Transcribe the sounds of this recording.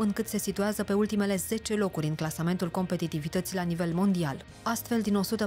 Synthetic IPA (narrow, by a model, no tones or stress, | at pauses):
ɨŋkɨt̪se̞sit̪uazəpe̞ult̪ime̞le̞z̥e̞t͡ʃe̞lo̞kuɾʲɨŋklasame̞nt̪ulko̞mpe̞t̪it̪ivit̪ət̪silanive̞lmo̞nd̪ial | ast̪fe̞ld̪ino̞sut̪ə